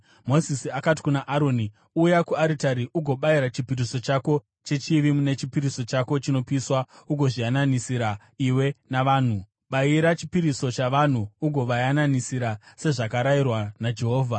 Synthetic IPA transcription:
mo̞zisiakat̬i̥kunaʔaɾo̞ːni | uːjakuaɾitaɾiʔuɡʱo̞ɓaiɾat͡ʃipiriso̞t͡ʃako̞ | t͡ʃe̞t͡ʃiʋimune̞t͡ʃipiɾiso̞t͡ʃako̞t͡ʃino̞piswauɡʱo̞ʐijananisiɾa | iwe̞naʋaːn̤u | ɓaiɾat͡ʃipiɾiso̞t͡ʃaʋan̤uːɡʱo̞ʋajananisiɾase̞ʐakaɾairwanad͡ʒe̞ɦo̞ːvʱa

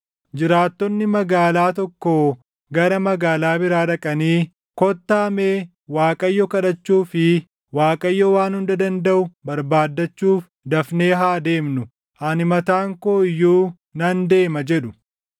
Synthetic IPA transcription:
d͡ʒɪɾaːt̪ːɔnːɪmɐɡaːlaːt̪ɔkːo | ɡɐɾɐmɐɡaːlaːbɪɾaːᶑɐkʼɐniː | kɔt̪ːaːmeː | waːkʼɐjːɔkɐᶑɐt͡ʃːuːfɪ | waːkʼɐjːɔwaːnhʊnd̪ɐd̪ɐnd̪ɐʔʊbɐɾbaːd̪ːɐt͡ʃːuːf | d̪ɐfne̞ːɦaːd̪e̞ːmnʊ | ʔɐnɪmɐt̪aːŋkoːɪjːuː | nɐnd̪e̞ːmɐd͡ʒɛᶑʊ

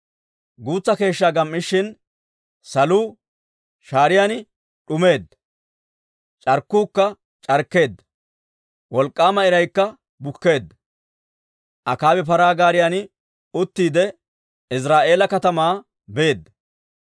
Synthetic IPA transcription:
ɡuːt͡sːɐke̞ːʃːaːɡɐmːɪʃːɪn | sɐluː | ʃaːɾɪjaːnɪ | ᶑʊme̞ːd̪ːɐ | t͡ʃʼɐɾkːuːkːɐ | t͡ʃʼɐɾkːe̞ːd̪ːɐ | wɔlkʼːaːmɐɪɾɐjkːɐ | bʊkːe̞ːd̪ːɐ | ʔɐkaːwɛp̬ɐɾaːɡaːɾɪjaːnɪ | ʊt̪ːiːd̪ɛ | ɪs̬ɾaːʔe̞ːlɐkɐt̪ɐmaː | be̞ːd̪ːɐ

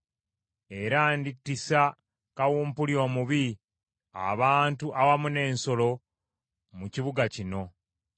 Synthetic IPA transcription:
e̞ɾanditːisa | kawuːmpuljo̞ːmuβi | a̰βaːntuʔawamune̞ːnso̞lo̞ | muciβuɡacino̞

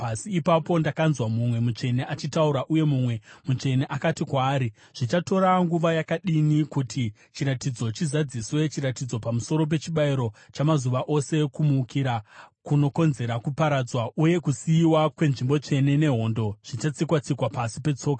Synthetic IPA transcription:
pasiːpapo̞ndakanzwamumwe̞mut͡ʂe̞neʔat͡ʃitauɾaʔuje̞mumwe̞mut͡ʂe̞neʔakatikwaːɾi | ʐ̥it͡ʃato̞ɾaŋɡuʋajakaɗinikutʰi | t͡ʃiɾatid͡zo̞t͡ʃizad͡ziswe̞t͡ʃiɾatid͡zo̞pamuso̞ɾo̞p̬e̞t͡ʃiɓaiɾo̞ | t͡ʃamazuʋaʔo̞se̞kumuːkʰiɾakuno̞ko̞nze̞ɾakupaɾad͡zwauje̞kusiːwakwe̞nʐimbo̞t͡ʂe̞ne̞ne̞ɦo̞ːndo̞ʐ̥it͡ʃat͡sikwat͡sikwapasipe̞t͡so̞ːkḁ

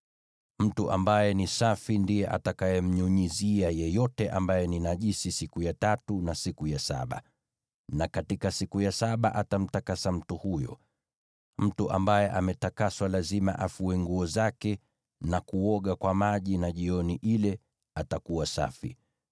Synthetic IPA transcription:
m̩tuʔa̰mbajɛnisafindijɛʔatakajɛm̩ɲuɲiziajɛjɔtɛʔambajɛninaʄisisikujatatunasikujasa̰ɓa̰ | nakatikasikujasaɓaʔatam̩takasam̩tuhujɔ̰ | m̩tuʔambajɛʔamɛtakaswalazima̰ʔafuwɛŋɡuɔzakɛ | nakuɔɠakwamaʄinaʄiɔniʔilɛ | atakuwasa̰fḭ

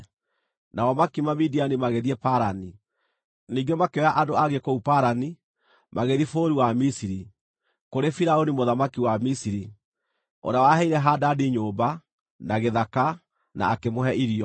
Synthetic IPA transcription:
nawɔmakimamidianimaɣeðiɛpaɾani | niːɡɛmakeɔjaʔadoaɣekoupaɾani | mʔaɣeðifoːɾiwamisiɾi | koɾefiɾaonimoðamakiwamisiɾi | o̰ɾawaɦɛiɾɛɦaːdadiɲoːba | naɣeðaka | na̰ːkemoɦɛʔiɾiɔ

